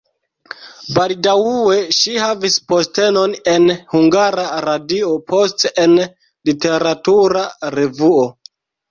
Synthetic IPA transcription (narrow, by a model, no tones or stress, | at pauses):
baldawue̞ʃihavispo̞ste̞no̞ne̞nhuŋɡaɾaɾadio̞pʰo̞sten | lite̞ɾatuɾaɾe̞vuo